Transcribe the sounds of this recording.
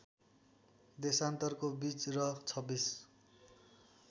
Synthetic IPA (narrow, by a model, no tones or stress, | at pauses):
d̪esant̪ʌrkobit͡srʌt͡sʰʌbis